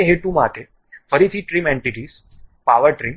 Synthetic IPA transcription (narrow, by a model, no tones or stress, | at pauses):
eɦeʈũmat̪ʰe | fʰəɾit̪ʰiːʈɾiːmẽɳʈiʈiːs | paʋəɾʈɾiːm